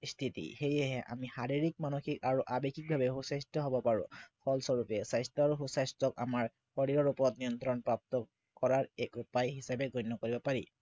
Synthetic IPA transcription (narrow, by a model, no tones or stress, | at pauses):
st̪ʰit̪ḭxejɛɦɛʔa̰mihaɹiɹik̚manoxikaɹuʔabekʰik̚bʱabɛɦusajstɔɦɔbɔpaɹṵ̃kʰɔlsɔɹupɛsajstɔaɹuɦusajstɔka̰maɹ | hɔɹiɹɔɹupɔɹɔt̪̚nijɔnt̪ɹɔnpɹap̚t̪ɔ | kɔɹaɹɛkupajɦisabɛɡɔjnːɔkoɹibɔpaɹḭ